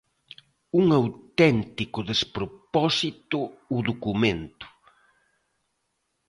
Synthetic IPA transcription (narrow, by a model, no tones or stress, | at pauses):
uŋawt̪ɛnt̪ikʊðespɾopɔsit̪ʊːðokumẽnt̪ʊ̥